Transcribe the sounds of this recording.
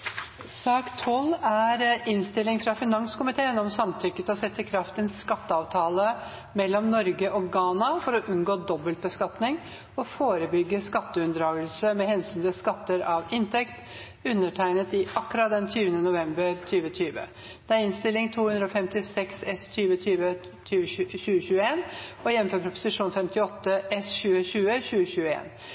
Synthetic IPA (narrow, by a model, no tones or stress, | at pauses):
sɑːkt̪ʰɔlæɾɪnst̪ɪlɪŋfɾɑfɪnɑŋskʊmɪt̪ʰeːənɔmsɑmt̪ʰʏkːət̪ɔsɛt̪ːəkʰɾɑft̪ənskɑt̪ːəɑʋt̪ʰɑːlə | mɛlːɔmnɔɾɡəʔɔɡɑːnɑfɔɾɔʔʉnɡoːd̪ɔbːəlt̪̚bəskɑt̪nɪŋ | ɔfoːɾəbʏɡːəskɑt̪ːəʉnd̪ɾɑːɡəlsəmɛhɛnsyːnt̪ɪskɑt̪ːəɾɑʋɪnt̪ʰɛkt̪ | ʉnːəʈʰæɪnət̪ɪʔɑkːɾɑt̪̚d̪ɛnt̪ʰyːʋənənʊʋɛmbəɾt̪ʰyːʋət̪ʰyːʋə̰ | d̪̥ɛæɾɪnst̪ɪlɪŋt̪ʰuːhʉnd̪ɾɔːfɛmt̪ɪsɛksɛst̪ʰyːʋət̪ʰyːʋə | t̪ʰyːʋəɕʉːəɕʉːəeːnɔjɛʋəføːpʰɾʊpʊ̥sɪʂuːnfɛmt̪ɪɔt̪ːəʔɛsɕʉːəɕʉːəɕʉːəçʉːəḛːn